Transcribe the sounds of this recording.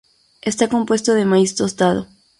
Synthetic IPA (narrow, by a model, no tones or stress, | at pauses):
e̞st̪ako̞mpwe̞st̪oðemaist̪ost̪aðo